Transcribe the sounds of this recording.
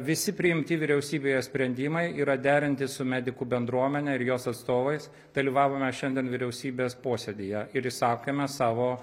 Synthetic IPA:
ʋʲɪsʲɪpʲɾʲɪɪmʲt̪ʲɪʋʲɪɾʲɛʊsʲiːbʲeːjɛsʲpʲɾʲɛnʲd̪ʲɪmɐɪiːɾɐd̪ʲæːɾʲɪnʲt̪ʲɪsʊmʲæːd̪ʲɪkubʲɛnd̪ɾuɔmʲɛnʲɛɪɾjoːsɐt̪st̪oːʋɐɪs | d̪ɐlʲiːʋɑːʋoːmʲɛʃʲɛnd̪ʲiɛnʋʲɪɾʲɛʊsʲiːbʲeːspoːsʲed̪ʲɪjɛɪɾjɪsɑːkemʲɛsɑːʋoː

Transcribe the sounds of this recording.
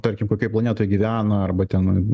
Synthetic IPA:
t̪ɐɾʲkʲɪmkoːkʲɔplˠɐnʲeːt̪oːjɡʲiʋʲæːnɐɐrbɐt̪ʲɛn

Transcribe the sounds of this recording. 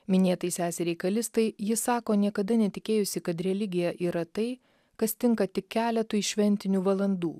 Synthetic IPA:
mʲɪnʲeːt̪ɐɪsʲæːsʲɛɾʲɛɪkɐlʲɪst̪ɐɪjɪsɑːkoːnʲiɛkɐd̪ɐnʲɛt̪ʲɪkʲeːjʊsʲɪkɐt̪ɾʲɛlʲɪɡʲɪjɛʔiːɾɐt̪ɐɪ | kɐst̪ʲɪŋkɐt̪ʲɪkʲæːlʲɛt̪uːɪʃʲʋʲɛnʲt̪ʲɪnʲuːʋɐlˠɐnd̪ṵː

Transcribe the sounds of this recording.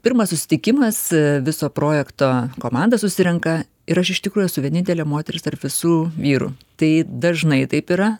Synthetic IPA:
pʲɪɾmɐssʊsʲɪ̥t̪ʲɪkʲɪmɐsʋʲɪsoːpɾoːjɛkt̪oːkoːmɑˑnd̪ɐsʊsʲɪɾʲɛŋkɐ | ɪɾɐʃɪʃʲt̪ʲɪkɾuːjusʊʋʲiɛnʲɪnʲt̪ʲɛlʲeɛmoːt̪ʲɛɾʲɪst̪ɐrpʋʲɪsuːʋʲiːɾṵt̪ɐɪd̪ɐʒnɐɪt̪ɐɪpiɾɐ

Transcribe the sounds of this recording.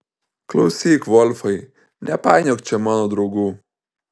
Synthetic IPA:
klɐwsikʋɔlfɐj | nʔɛpaːjnʲɔkt͡ʃɛmanɔd̪ɾɔɡu

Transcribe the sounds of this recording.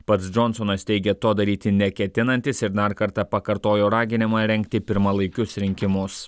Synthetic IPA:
pɐt̪sd͡ʒɔnsonɐst̪ʲɛɪɡʲɛt̪oːd̪ɐɾʲiːt̪ʲɪnʲɛkʲɛt̪ʲɪnɐnʲt̪ʲɪsɪɾd̪ɐɾkɐɾt̪ɑpɐkɐɾt̪oːjoːɾɑːɡʲɪnʲɪmɑːɾʲɛŋʲkʲt̪ʲɪpʲɪɾmɐlˠɐɪkʲʊsɾʲɪŋʲkʲɪmʊs

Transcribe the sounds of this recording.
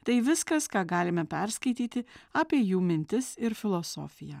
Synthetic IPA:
t̪ɐɪʋʲɪskɐskɑːɡɑːlʲɪmʲɛpʲɛɾskɐɪt̪ʲiːt̪ʲɪaːpʲiɛjuːmʲɪnʲt̪ʲɪsɪɾfʲɪlˠɔso̰ːfʲɪjɛː

